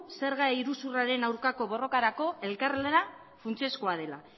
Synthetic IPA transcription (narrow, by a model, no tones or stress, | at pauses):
se̞ɾɣaiɾusuraɾe̞nawɾkako̞βo̞ro̞kaɾako̞e̞lkarleɾa | funt͡sioskoað̞e̞la̰